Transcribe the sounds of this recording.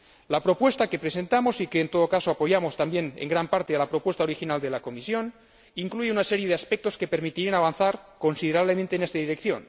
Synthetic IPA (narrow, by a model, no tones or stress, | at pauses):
lapɾo̞pwe̞st̪ake̞pɾesent̪amo̞sikeːnt̪o̞ðokaso̞apo̞ʝamo̞st̪ambje̞nḛŋɡɾampaɾt̪ealapɾopwe̞st̪ao̞ɾixinald̪e̞lako̞misjo̞n | iŋkluʝeunaseɾjeðeaspek̚t̪o̞ske̞peɾmit̪iɾianaβ̞anθaɾko̞nsiðeɾaβlemẽnt̪eːnest̪aðiɾekθjo̞̰n